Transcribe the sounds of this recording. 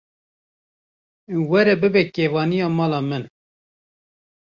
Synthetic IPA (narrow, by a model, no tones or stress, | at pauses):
wɛɾɛbɨbɛkeːvɑːnijɑːmɑːlɑːmɨn